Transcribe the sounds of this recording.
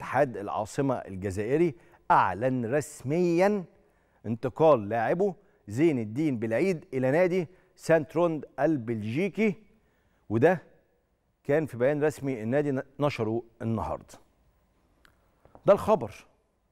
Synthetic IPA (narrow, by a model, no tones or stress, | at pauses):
ḁħaːd̪ɪlʕɑ̰ːsˤɨmɑ̰ʔɪ̰lɡæzæːʔɪɾi | ʔaʕlænɾˤɑsmɪjːæn | ʔɪnt̪ɨqɑːlːaːʕɪbo | zeːnɪd̪ːiːnbɪlʕiːd̪ʔɪlænæːd̪i | sænt̪ɾond̪ʔælbelʒiːki | wed̪æ | kæːnfibæjæːnɾˤɑsmiɪnːæːd̪inɑʃɑɾˤuenːɑhɑ̰ːɾˤd̪ˤ | d̪ælxɑbɑɾˤ